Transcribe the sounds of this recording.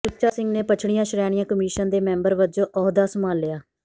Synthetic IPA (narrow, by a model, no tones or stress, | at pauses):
sʊt͡ʃaːsɪ̃ŋɡneːpət͡ʃʰɽ̃ɪjãːʃɾɛːɽ̃ɪjãːkəmiːʃənd̪eːmɛ̃ːmbəɾʋəd͡ʒõːʔɔːɦd̪aːsəmaːlːɪjaː